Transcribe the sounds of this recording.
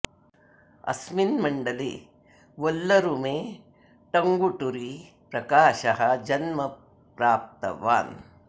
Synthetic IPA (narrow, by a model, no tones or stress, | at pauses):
ɐ̰sminmɐɳɖɐlḛ | ʋolːɐɾumeː | ʈɐŋɡuʈuɾi | pɾɐkaːʃɐɦɐd͡ʒɐnmɐ | pɾaːp̚t̪ɐ̰ʋa̰ːn